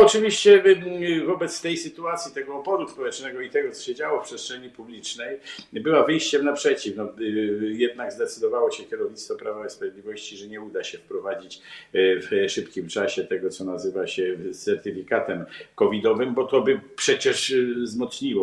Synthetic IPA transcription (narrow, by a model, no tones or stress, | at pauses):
ɔt͡ʂɘvʲiɕt͡ɕɛvɔbɛt̪st̪ɛjsɘt̪uat̪sʲjit̪ɛɡɔːbɔd̪uspɔwɛt͡ʂnɛɡɔit̪ɛɡɔt̪sɔ̥ɕɛd͡ʑawɔfpʂɛst̪ʂɛɲipublʲit͡ʂnɛjbɘwavɘjɕt͡ɕɛmnapʂɛt͡ɕifnɔjɛd̪̚naɡzd̪ɛt̪sɘd̪ɔvawɔɕɛkʲɛɾɔvɲit̪st̪fɔpɾavaispɾavjed̪lʲivɔɕt͡ɕiʐɛɲɛud̪aɕɛfpɾɔvad͡ʑit͡ɕfʂɘpkʲimt͡ʂaɕɛt̪ɛɡɔt̪sɔnazɘvaɕɛt̪sɛɾt̪ɘfʲikat̪ɛmkɔvʲid̪ɔvɘmbɔt̪ɔbɘpʂɛt͡ɕɛʂzmɔt̪sɲiwɔ